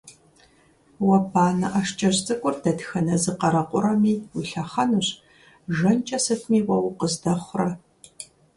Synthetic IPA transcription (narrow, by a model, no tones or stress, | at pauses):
wɐpʰaːnɐ̰ʔaʃt͡ʃʼɐɕt͡sʼɐkʷʼʊrdɐtxɐnɐzɨqɐɾɐqʷʼʊɾɐmiːwiɬaχɐnuɕ | ʒɐnt͡ʃʼɐsɐtʰmiːwɐwqəzdɐχʷrɐ